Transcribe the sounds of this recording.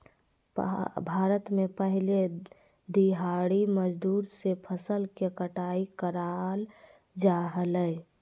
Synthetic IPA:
bʱaːɾət̪mẽpəɦɪle | d̪iɦaɽiməd͡ʒd̪uːɾsepʰəsəlkekəʈaikəɾal | d͡ʒaɦələː

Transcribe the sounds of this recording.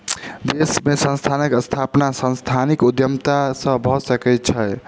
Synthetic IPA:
d̪esmesə̃nst̪ʰanəkəst̪ʰapnasə̃nst̪ʰanikud̪jəmt̪asə̃bʱɔsəkɛt͡ʃʰəj

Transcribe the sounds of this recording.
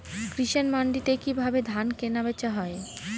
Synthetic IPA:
kɾiʃenmaɳɖit̪ekibʱabed̪ʱankenabet͡ɕaɦɔe

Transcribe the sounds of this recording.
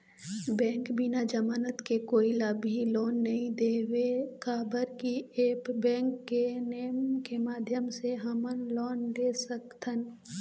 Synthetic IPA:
bɛ̃ːŋkbinad͡ʒəmaːnət̪kekoːilabiloːnːɐɦĩd̪eːwekaːbəɾkieːpbɛ̃ːŋkːeneːmkemaːd̪ʱjəmseɦəmənlɔːnɖeːsəkt̪ən

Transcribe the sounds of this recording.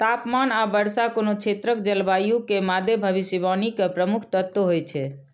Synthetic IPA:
t̪apmanabəɽsakonokt͡ʃʰet̪ɾəkd͡ʒəlbajukemad̪ʱjebʱəʋisəʋanikepɾəmukʰt̪ət̪ːoɦojt͡ʃʰɛ

